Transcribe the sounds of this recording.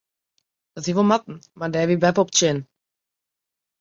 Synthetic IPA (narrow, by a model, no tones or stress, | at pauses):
d̥ɔtiʋolˠmat̚n̩madɛːʋibɛpɔpt͡ʃɪn